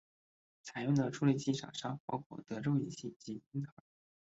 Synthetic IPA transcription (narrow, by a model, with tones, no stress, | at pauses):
t͡sʰa˨˩ɪjʊ˥˩ŋd̪ə˩ʈ͡ʂʰu˥li˥˩t͡ɕi˥˩ʂa̰˨˩ʂa˥pɑ˥ʊkʰwɔ̰˥˩t̪ɤ˧˥ʈ͡ʂo˥˩ʊi˨˩ɕi˥˩t͡ɕi˧˥i˥t̪ʰɑ˧˥